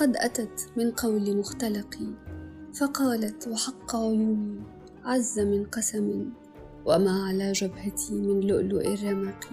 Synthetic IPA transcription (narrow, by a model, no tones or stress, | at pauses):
qɑd̪ʔat̪at̪mɪnqɑwlimʊxt̪alɑqifɑqɑːlat̪waħɑqːɑʕʊjuːmii | ʕazːamɪnqɑsamɪ | wamaːʕalaːʒabhat̪ʰimɪnlʊʔlʊʔɪrːɑmaqi